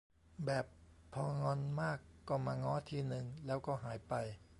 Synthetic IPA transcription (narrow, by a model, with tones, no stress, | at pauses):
bɛː˨˩pʰːɔː˧ŋɔ˧nmaː˥˩kːɔː˥˩maː˧ŋɔː˦˥t̪ʰiː˧nɯ˧ŋlɛː˦˥wkɔː˥˩ɦaː˩˦jpa˧j